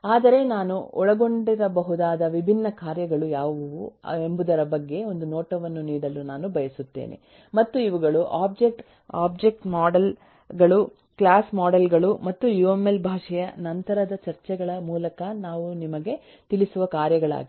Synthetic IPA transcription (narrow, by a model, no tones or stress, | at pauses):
aːd̪ɐɾe̞naːnuɔɭɐɡo̞ɳɖiɾɐbɐɦud̪aːd̪ɐʋibʱinːɐkaːɾjɐɡɐɭujaːʋɐʋɐʋue̞mbud̪ɐɾɐbɐɡːe̞o̞nd̪unoːʈɐʋɐnːuniːɽɐlunaːnubʱɐjɐsut̪ːḛːnʔḛ | mɐt̪ːuiʋuɡɐɭuʔaːb̚d͡ʒekʈ | a̰ːb̚d͡ʒek̚ʈmaːɖɐl | ɡɐɭu | kɭaːsmaːɖelɡɐɭumɐt̪ːujuemːe̞lbʱaːʂɐjɐnɐnt̪ɐɾɐd̪ɐt͡ʃɐɾt͡ʃɛɡɐɭɐmuːlɐkɐnaːʋunimɐɡe̞ | t̪ilisuʋɐkaːɾjɐɡɐɭa̰ːɡi